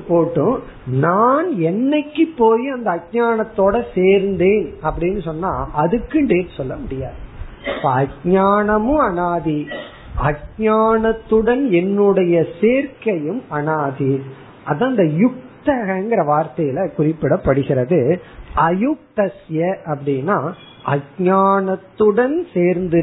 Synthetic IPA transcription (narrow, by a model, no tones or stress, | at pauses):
pːoːʈːɯ̃ | naːnɛnːɐkːɯpːoːjiɐnd̪ɐːɡ̚ɲaːɳɐt̪ːoːɽɐseːɾnd̪eːnɐpːɐɽɪnːɯsɔnːa̰ːʔɐðɯkːɯɳɖeːtːsɔlːɐmʊɽɪjaːðɯpːɐɲaːɳɐmɯ̃ɐɳaːði | ɐɡ̚ɲaːɳɐt̪ːɯɽɐnɛnːɯɽɐjɐseːɾkɐjɯmɐɳaːði | ʔɐðãːɪnd̪ɐjʊk̚t̪ɐɣɐnɡɪɾɐʋaːɾt̪ɐjɪlɐkʊrɪpːɪɽɐpːɐɽɯɣɪɾɐðɯʔɐjʊk̚t̪ɐsjɐʔɐpːɐɽɪnːaː | ʔɐɡɲaːɳɐt̪ːɯɽɐnseːɾnd̪ɯ